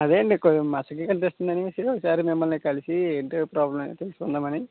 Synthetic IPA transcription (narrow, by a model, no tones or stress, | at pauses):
ɐd̪eːɳɖikomɐsɐk̬ːikɐnt̪̬est̪und̪ɐnisiokːɐsaːɾimimːɐlnikɐlisieɖpɾaːblɐmt̪eːsu̥und̪aːmɐni